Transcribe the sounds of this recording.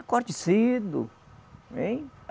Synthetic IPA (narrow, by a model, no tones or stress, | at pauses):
koɾt͡ʃisid̪ʊ̰ | ẽj